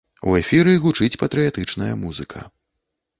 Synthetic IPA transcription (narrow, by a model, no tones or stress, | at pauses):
w̰ɛfʲiɾɨɣut͡ʂɨt͡sʲpɐt̪ɾɨjat̪ɨt͡ʂnɐjɐmuzɨkʰɐ̰